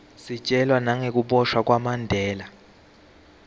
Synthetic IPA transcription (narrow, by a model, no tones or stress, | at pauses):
sit͡ʃʼɛlwanaŋek̬uɓɔʃwak̬ʼwamandʱɛːla